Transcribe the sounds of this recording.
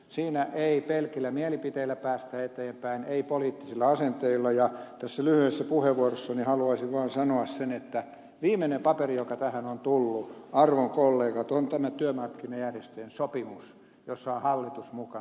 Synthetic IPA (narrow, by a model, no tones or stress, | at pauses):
siːnæʔeipelkilːæmiælipit̪eilːæpæːst̪æet̪eːmpæineipoliːt̪ːisilːɑɑsent̪eilːɑjɑt̪æsːælyhyesːæpuheʋːuorosːɑnihɑluɑisiʋʋɑːnsɑnoɑssenet̪ːæ | ʋiːmːenempɑperijokɑt̪æhænont̪ulːuɑrʋoŋkolːeːkɑt̪ont̪æmæt̪yømɑrkːinɑjærjest̪yensopimus | josːɑonhɑlːit̪usmukɑ